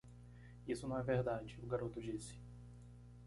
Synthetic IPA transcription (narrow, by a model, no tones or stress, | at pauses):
isʊnɐ̃w̃ɛveɾd̪ad͡ʒɪʊɡaɾot̪ʊd͡ʒisɪ̥